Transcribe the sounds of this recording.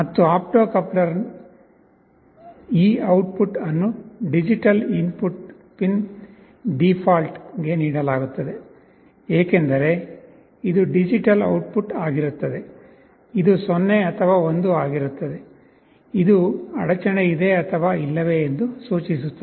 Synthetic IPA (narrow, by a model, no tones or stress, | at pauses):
mɐt̪ːuaːp̚ʈoːkɐplɐɾ | iːɐwʈ̚puʈɐnːuɖid͡ʒiʈɐlimpuʈ | pin | ɖipʰaːlʈɡe̞niːɽɐlaːɡut̪ːɐd̪e̞ | eːke̞nd̪ɐɾe̞ | id̪uɖid͡ʒiʈɐlɐ̰wʈ̚puʈaːɡiɾut̪ːɐd̪e̞ | id̪usonːe̞ɐt̪ʰɐʋaːo̞nd̪uaːɡiɾut̪ːɐd̪e̞ | id̪uɐ̰ɽɐt͡ʃɐneid̪e̞ɐt̪ʰɐʋaːilːɐʋe̞ːnd̪usuːt͡ʃisut̪ːɐ